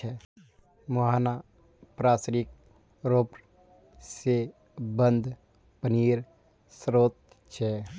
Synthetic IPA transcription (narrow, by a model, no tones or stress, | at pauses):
ɛ | moɦaːna | pɾaːsɾik̚ | ɾoːpɾ | se | bənd̪ʱ | pəniːɾ | sɾoːt̪̚ | t͡ʃʰɛ